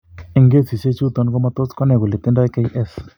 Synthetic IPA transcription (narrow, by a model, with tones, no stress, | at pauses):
e˨ŋɡe˦si˨se˦t͡ʃu˦t̪ɔ˨nko˦ma˦t̪o˦skɔ˦nɛ˨ku˨le˨tɪ˦ndɔ˦kɛ˦jʔɛ˦s